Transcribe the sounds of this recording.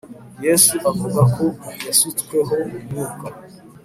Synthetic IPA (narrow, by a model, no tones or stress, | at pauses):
jesuʔavuɡakʰoasitkweɦomumuːka